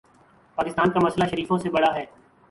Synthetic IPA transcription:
paːkɪst̪aːnkamɐslaʃɐɾiːfõsebɐɽaɦɛː

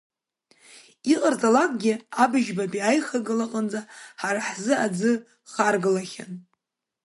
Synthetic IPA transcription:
iqʼard͡zʼalakʷʼɡʲɪabɨʒbabiajχaɡɨlaqʼand͡zaħaɾaħzɨad͡zɨ | χarɡɨlaχʲa̰n

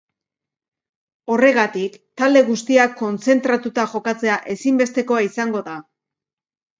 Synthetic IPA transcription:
o̞re̞ɣat̪ikt̪ald̪e̞ɣust̪iakːo̞nt͡se̞nt̪ɾat̪ut̪aʝo̞kat͡se̞aʔe̞simbe̞st̪e̞ko̞aisaŋɡo̞ða

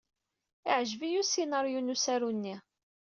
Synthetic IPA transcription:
ɪʕʒvijusinɑɾjunusæɾunːi

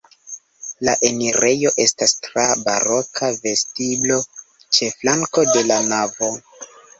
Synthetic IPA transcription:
la̰ʔe̞niɾe̞jo̞ʔe̞stastɾaba̰ɾo̞kʰave̞stiblo̞ | t͡ʃe̞flaŋko̞de̞lanavo̞

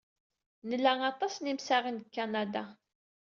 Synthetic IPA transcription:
nəlːæɑt̪ˤɑsnimsaʁənd̪əkːanad̪a

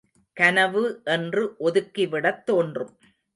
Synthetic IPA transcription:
kɐnɐʋɯʔɛndrɯʔɔðɯkːiʋɪɽɐt̪ːoːndrɯm

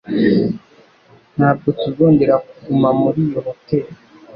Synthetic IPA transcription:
nhabɡutuɡoːndeɾakuɡumamuɾijohoteːɾo

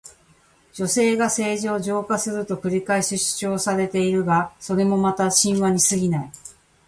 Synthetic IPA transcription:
d͡ʑo̞se̞ːɡase̞ːʑiːʑo̞ːkasɨɾɯ̟t̪o̞kɯ̟ɾʲikaesɨɕi̥t͡ɕo̞ːsaɾe̞t̪e̞iɾɯ̟ɡaso̞ɾe̞mo̞mat̪aɕĩɰ̃βaɲ̟isɨɡʲinai

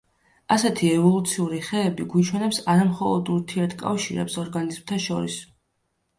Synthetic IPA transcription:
asɛt̪ʰiɛvɔlˠut̪sʰiuɾiχɛːbiɡit͡ʃʰwɛnɛpsaɾamχɔlˠɔd̪uɾt̪ʰiɛɾt̪ʰkʼa̰fʃiɾɛ̰psɔɾɡanizmt̪ʰaʃɔɾḭs

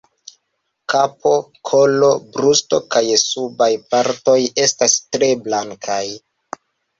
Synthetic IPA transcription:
kapo̞kʰo̞lo̞bɾusto̞̰kajsubajpaɾto̞je̞stastɾe̞blaŋkʰaj

